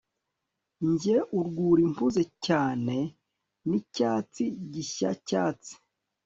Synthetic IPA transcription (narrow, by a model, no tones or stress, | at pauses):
ɲɟe̞ʔuɾɡuːɾimpuzecaːne̞ | nicaːt͡siɟiça̰caːt͡si̥